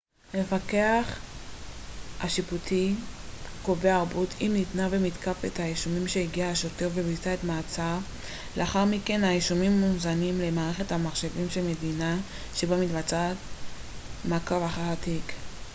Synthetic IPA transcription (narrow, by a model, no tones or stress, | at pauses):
me̞fake̞aχ | haʃiputʰi | koveaːʁbutʰimnitnavemitkafḛthaiʃumimʃeiɡiaaʃo̞teʁvebit͡saetmaːt͡sa | leaχaʁmike̞nhaiʃumimːuzanimle̞maːʁeχe̞thamaχʃe̞vimʃelme̞dina | ʃebamitbat͡sat | makavaχaʁatik